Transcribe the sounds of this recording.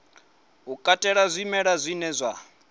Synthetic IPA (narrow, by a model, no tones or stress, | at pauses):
ɦukʼatʼɛɺazʷimɛɺazʷinɛzʷa